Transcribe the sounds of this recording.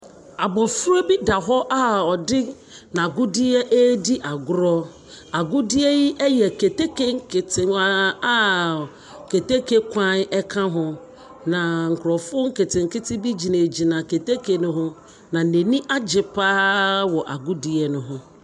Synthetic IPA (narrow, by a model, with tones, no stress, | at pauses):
a˨bɔ˨fu˦ɾo˦bi˦da˨ɦɔ˦ʔa˦ɔ˨dɪ˦ | nã˨ɡʊ˦dɪ˦ɛ˦ʔe˦di˦ʔa˨ɡʊ˦ɾɔ˦ | a˨ɡʊ˦dɪ˦ɛ˦ji˦ʔɛ˦jɛ˨ke˨te˦kʰe˦ŋ̩˦kʰɪ˨tɪ˨˦ | ke˨te˦kʰe˦kʷʰã˦n˦ɛ˦kʰã˦ɦʊ̃˦ | nã˨ŋ̩˨kʰʊ˨ɾɔ˨fʊ˦ŋ̩˦kɪ˨tʰɪ̃˨ŋ̩˨kɪ˦tʰɪ˦bi˦d͡ʑi˨nẽ˨d͡ʑi˨nã˨ke˨te˦kʰe˨nʊ̃˦ɦʊ̃˦ | nã˨nẽ˨nĩ˦ʔa˦d͡ʑɪ˨pʰaː˦wɔ˨ʔa˨ɡʊ˦dɪ˦ɛ˦nʊ̃˨ɦʊ̃˦